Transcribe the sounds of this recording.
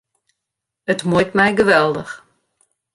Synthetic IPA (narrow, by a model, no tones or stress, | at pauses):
ətmujtmɛjɡəʋɛlˠdəx